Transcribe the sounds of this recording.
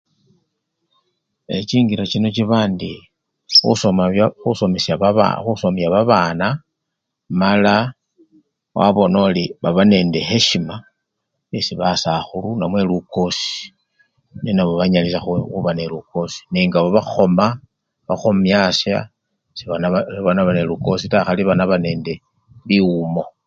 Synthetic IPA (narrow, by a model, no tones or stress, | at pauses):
e̞t͡ʃiːŋɡiɾat͡ʃinot͡ʃiβaːndi | xṵsomaxusomesjaβaβa̰xusomjaβaβaːna | mala | wʔa̰βo̞noliβaβane̞ːnde̞xeʃima | esiβasaxulunamwe̞luko̞si̥ | ninaβoβaɲalisaxxuβaneluko̞si̥niːŋɡaβaβaxo̞ma | βaxomjasja̰ | siβaβanaβaneluko̞sitaxaliβanaβane̞ːnde̞ | liumo̞